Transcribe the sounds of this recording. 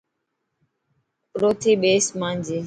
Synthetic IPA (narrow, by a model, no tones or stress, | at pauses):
pɾoːt̪ʰiːɓeːsmãːnd͡ʒeː